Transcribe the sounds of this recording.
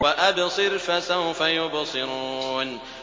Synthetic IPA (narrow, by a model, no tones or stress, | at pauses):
waʔabɪsˤiɾfasahʊfajʊbɑsˤɨɾuːn